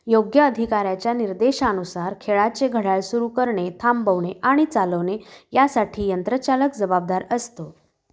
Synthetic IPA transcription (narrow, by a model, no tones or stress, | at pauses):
joɡjəːd̪ʱikaɾjat͡ɕjaniɾd̪eɕaənusaɾkʰeɭat͡seɡʱəɽaɭsuɾukəɾɳet̪ʰambəʋɳeʔaɽ̃it͡saləʋnejasaʈʰiːjənt̪ɾət͡ɕaləkd͡zəbab̚d̪aɾəst̪o